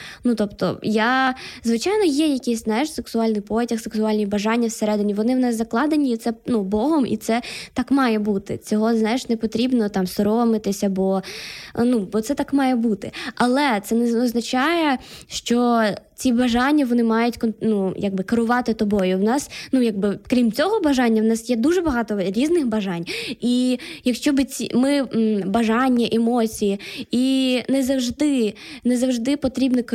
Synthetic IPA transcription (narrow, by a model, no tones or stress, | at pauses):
nut̪ɔpt̪ɔ̰jazʋɪt͡ʃɑjnɔjɛjɐkʲɪjsʲznɑjɪʂseksʊɑlʲnɪjpɔtʲɐxseksʊɑlʲnʲibɐʒɑnʲːɐwseɾɛd̪ɪnʲiʋɔnɪwnɛzɐklˠɑd̪enʲiːt̪sɛnubɔɦɔmḭt̪sɛt̪ɑkmɑjɛbut̪ɪ̰t͡sʲɔɦɔznɑjɪʂnepɔt̪ɾʲibnɔt̪ɑmsɔɾɔmɪt̪ɪsʲɐbɔ | nubɔt̪sɛt̪ɑkmɑjɛbut̪ɪɐlˠɛt̪sɛnɛɔznɐt͡ʃɑjɛʃt͡ʃɔt͡sʲibɐʒɑnʲːɐʋɔnɪmɑjʊtʲkɔnnujaɡ̚bɪkɐɾʊʋɑt̪ɪt̪ɔbɔjʊwnɑsnujaɡ̚bɪkɾʲimt͡sʲɔɦɔbɐʒɑnʲːɐwnɑsjɛd̪uʒɛbɐɦɑt̪ɔɾʲiznɪxbɐʒɑnʲijɐkʃt͡ʃɔbɨt͡sʲḭmɪbɐʒɑnʲːɐʔemɔt͡sʲijiinɛzɐwʒd̪ɪnɛzɐwʒd̪ɪpɔt̪ɾʲibnɔk